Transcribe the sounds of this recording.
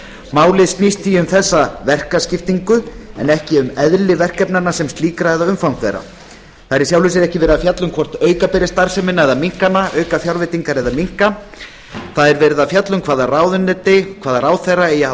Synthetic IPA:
maːwlɪðst̪nist̪θiʏmθɛsːavɛr̥kascɪft̪iŋkʏɛ̰nɛhcɪʏmɛðlɪvɛr̥kɛpnanasɛmst̪liːkɾaɛðaʏmfawnθɛ̰jɾa̰ | θaðɛɾɪ̥sjawlʏs̬ɪɾɛhcɪvɛːɾɪðafjat̪lʏmkʰvɔr̥t̪œːɥkapɛɾɪst̪aɾ̥sɛmɪnːaɛðamiŋ̥kanːaœːɥkafjawɾvɪt̪iŋkaɾɛðamiŋ̥ka | θaðɛɾvɛːɾɪðafjat̪lʏmkʰvaːðaraːwðʏnːɛt̪ɪkʰvaːðaraːwθejraɛjaa

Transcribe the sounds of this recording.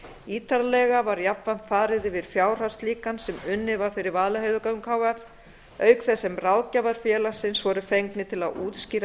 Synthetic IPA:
iːt̪aɾalɛɣavaɾjapvan̥t̪faːɾɪðɪvɪɾ̥fjaːwr̥ḁst̪liːkansɛmʏnːɪvaɾ̥fɪɾɪɾvaːðlaɦeːɥðʏkaʏmkʰaːwaɾ | œːɥkθɛsːɛmraːwcavaɾ̥fjɛːlḁsɪnsvɔɾʏfejŋknɪt̪ʰɪla̰ðuːt̪sciːɾa

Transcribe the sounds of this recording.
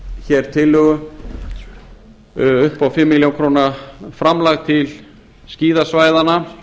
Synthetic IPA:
çɛɾ̥t̪ʰɪlːʏɣʏ | ʏhpawfɪmːɪljawŋkʰɾoːnafɾamlaɣt̪ʰɪl | sciːðasvaːjðana

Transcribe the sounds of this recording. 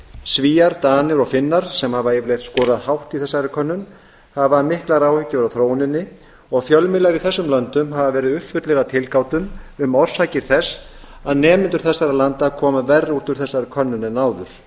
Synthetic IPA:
sviːaɾt̪aːnɪɾɔɣfɪnːaɾ̥sɛmhavaevɾlejht̪skɔːɾaðhawht̪iθɛsːaɾɪkʰœnːʏn | havamɪhklaɾawhʏcːʏvɾaθɾoːwnɪnːɪ | ɔɣfjœlmɪlaɾiθɛsːʏmlœnt̪ʏmɦavavɛːɾɪðʏhpfʏt̪lɛɾat̪ʰɪlkaːwt̪ʏmʏmɔɾ̥sajcɪɾ̥θɛs | aðnɛːmɪnt̪ʏɾ̥θɛsːaɾalant̪akʰɔːmavɛrːuːt̪ʏɾ̥θɛsːaɾɪkʰœnːʏnɛnaːwðʏɾ̥

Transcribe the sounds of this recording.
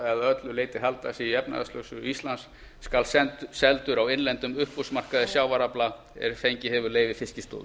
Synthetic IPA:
ɛaðœt̪lʏleːjt̪ɪɦalt̪asiɛpna̰ða̰st̪œ̰wsʏist̪lansː | kalsɛtsɛlt̪ʏɾawɪnlɛnt̪ʏmʏhpːusmar̥kaðɪsjawvaɾapla | ɛ̰ɾfejɲcɪhɛvʏɾleːjvɪfɪscɪst̪o̰ːð

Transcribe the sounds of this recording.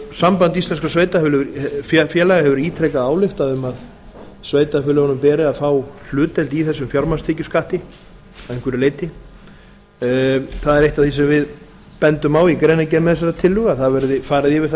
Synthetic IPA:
sampant̪ist̪lɛns̬kasveːjt̪afʏːlʏɣɾfɛfjɛːlaɣahɛvʏɾiːt̪ʰɾɛjkaðaːwlɪxt̪aðʏmað | sveːjt̪afʏːlʏhɔnʏmpɛːɾɪaðfaːwflʏːt̪ɛlt̪iθɛsːʏmfjaɾmanst̪ʰɪːcʏskaht̪ɪ | aeŋkvʏɾɪleːjt̪ɪ | θaðɛɾejht̪aðθisɛmvɪð | pɛnt̪ʏmawikɾejnacɛːɾmɛθɛs̬aɾat̪ʰɪlːʏɣaθaðvɛɾðɪfaːɾɪðjɪvɪɾ̥θa

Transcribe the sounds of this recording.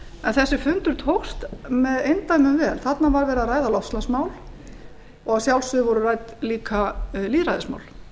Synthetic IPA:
ɛnθɛsːɪfʏnt̪ʏɾ̥t̪ʰowxst̪mɛðejnt̪ajmʏvɛːlθat̪navaɾvɛːɾaɾaːjðalɔfslasmaːwl | ɔɣawsjawlsʏðɪvɔɾʏrajt̪liːkʰaliːðɾajðɪsma̰ːwl

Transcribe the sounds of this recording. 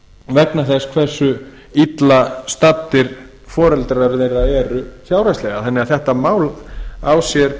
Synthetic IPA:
vɛknaθɛskʰvɛr̥sːʏ | it̪last̪at̪ːɪɾ | fɔːɾɛlt̪ɾaɾʏðeɾaðɛːɾʏsjawɾajslɛːɣaθɛnːɪaθɛht̪amaːwlawsjɛɾ

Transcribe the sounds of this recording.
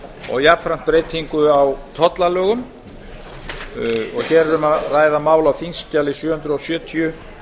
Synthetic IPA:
ɔ̰ɣjapʰɾan̥t̪̚pɾeːjt̪hiŋkʏawt̪ʰɔt̪lalœːɣʏm | ɔ̰ɣçɛɾɛɾʏmaraːjðamaːwlawfinscalɪsjœːhʏnt̪ɾʏɔsjœːt̪ʰiʏ

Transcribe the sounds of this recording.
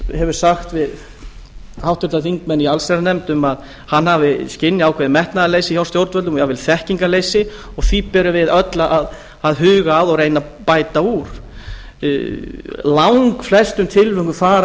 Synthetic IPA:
hɛvʏɾ̥saxt̪vɪð | hawht̪ʏɾt̪aθiŋkmɛnːialsɛɾanɛmt̪ʏmað | hanːhavɪscɪnːɪaːwkʰvɛðɪmɛht̪naðaleːjsɪçjawst̪jowɾt̪vœlʏmjavɪlθɛhciŋkaleːjsɪ | ɔɣθvipɛɾʏvɪðœt̪laʔaðː | ðɦʏːɣaːðɔɣɾejna | paːjt̪auɾ̥̰ | lawŋŋkflɛst̪ʏmt̪ʰɪlvʏŋkʏfaːɾ

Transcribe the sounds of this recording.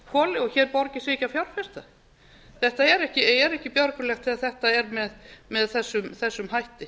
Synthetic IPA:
kʰɔːlɪɔçɛːɾpɔɾcɪsɪhcafjawr̥fɛst̪a | θɛht̪aɛɾɛhcɪɛɛɾɛhcɪpjœɾkʏlɛxt̪ʰɪðaðθɛht̪aɛɾmɛðmɛðθɛsːʏmθɛsːʏmhajht̪ɪ

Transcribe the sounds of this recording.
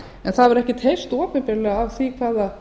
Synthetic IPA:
ɛnθaðvɛɾɛhcɪt̪ʰejst̪ɔːpɪpɪɾlɛɣavθvikʰvaːða

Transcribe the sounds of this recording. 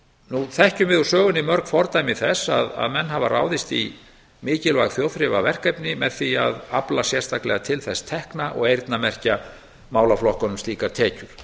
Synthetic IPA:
nuθɛhcʏmvɪðusœːɣʏnːɪmœɾkfɔɾt̪aːjmiθɛsa̰ða̰ðmɛnːɦava̰rʔa̰ːwðɪst̪i | mɪːcɪlvaɣθjoːwðθɾɪvavɛr̥kajpnɪmɛðθia̰ðaplasjɛ̥st̪ʰaklɛɣat̪ʰɪlθɛst̪ʰɛhknaʔɔ̰ɣejɾt̪namɛr̥ca | maːwlaflɔhkɔnʏmst̪iːkaɾ̥t̪ʰɛːcʏɾ̥

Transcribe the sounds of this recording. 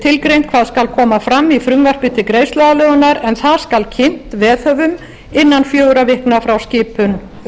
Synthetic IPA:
t̪ʰɪlkɾejnkʰvaːðskalkʰɔːmafɾamːifɾʏŋvar̥pɪt̪ɪkɾeːjst̪lɛðalœːɣʏnaɾɛnθaðskalcʰɪn̥t̪vɛːθœvʏm | ɪnːanfjoːwɾavɪhknafɾawscɪːpʏn

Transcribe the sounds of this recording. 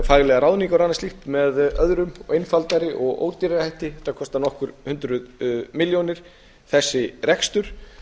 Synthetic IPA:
faɣlɛɣaɾaːwðniŋkawɾanːasliht̪mɛðœðɾʏmejnfalt̪aɾɪʔɔɣʔo̰ːwt̪iɾɪhajht̪ɪθakʰɔst̪anɔhkʏɾ̥hʏnt̪ɾʏðmɪljownɪɾ̥ | θɛsːɪɾɛkst̪ʏɾ̥

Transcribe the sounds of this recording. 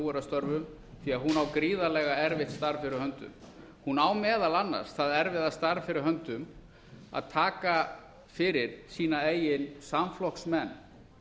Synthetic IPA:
ɛɾast̪œɾvʏm | θiaðɦunawkɾiːðalɛːɣaɛɾvɪht̪st̪aɾfɪɾɪɾ̥hœnt̪ʏ̰m | hunawmɛːðalanːa̰ɾ̥sθaðɛɾvɪðast̪aɾfɪɾɪɾ̥ɦœnt̪ʏm | a̰ðt̪ʰaːka | fɪɾɪɾ̥siːnaeːjɪnsamflɔksmɛnː

